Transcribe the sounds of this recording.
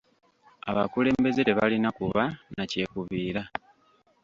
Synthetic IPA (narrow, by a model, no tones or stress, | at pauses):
a̰βa̰kule̞ːmbe̞ze̞ɾeβalinakuβanace̞ːkuβiːɾa